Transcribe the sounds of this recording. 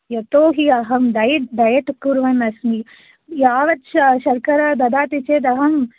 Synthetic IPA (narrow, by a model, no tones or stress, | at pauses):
jɐt̪oːɦiɐɦɐmd̪ɐjid̪ɐjɐʈ̪kːuɾʋɐnɐsmi | jaːʋɐt̪ʃɐʃɐɾkɐɾɐd̪ɐd̪aːt̪it͡ʃeːt̪ɐɦɐm